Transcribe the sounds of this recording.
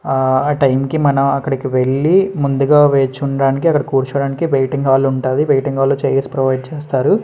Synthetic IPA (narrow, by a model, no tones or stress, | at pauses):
aːʈɐjmkimɐnɐmɐkːɐɽɐkiʋe̞ɭːimund̪uɡaːʋeːt͡ʃuɳɐɽaːnikiɐkːɐɽɐkuːɾt͡ʃɐɽaːnikiʋejʈiŋɡaːluɳʈaːjiʋejʈiŋɡaːlːut͡ʃejespɾɐʋɐjɖ̚t͡ʃeːst̪aːɾu